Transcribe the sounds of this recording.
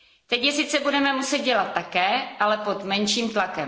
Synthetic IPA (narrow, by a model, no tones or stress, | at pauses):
t̪ɛcjɛsɪt͡sɛbudɛmɛmusɛd̪̚ɟɛlat̪ːakɛːʔalɛpot̪mɛnʃiːmt̪lakɛm